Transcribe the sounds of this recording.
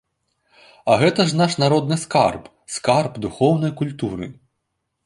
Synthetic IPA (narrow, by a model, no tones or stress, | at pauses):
ɐɣɛt̪ɐʐnɑʃnɐɾɔd̪nɨskarb | skarbd̪uxɔwnɔjkʊlʲt̪uɾɨ̰